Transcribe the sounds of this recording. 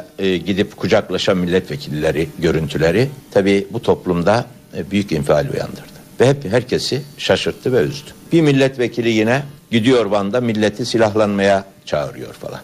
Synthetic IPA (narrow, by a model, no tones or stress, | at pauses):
ɟid̪ipkʰud͡ʒaklˠaʃanmilʲːɛt̪vecʰilʲiːeɾiɟø̞ɾynt̪ʰylʲeɾit̪ʰabiːbut̪ʰo̞plˠumd̪a | byjycimfialʲṵja̰nd̪ɯɾd̪̥ɯ̥vɛhɛpɦæɾcʰesiʃaʃɯɾt̪ʰːɯvɛyzd̪y̥b̥imilʲːɛt̪vecʰilʲijinɛɟid̪ijo̞ɾband̪amilʲːet̪ʰisilʲaɦlˠanmaja | t͡ʃʰaːɯ̰ɾɯjo̞̰ɾfa̰lˠa̰n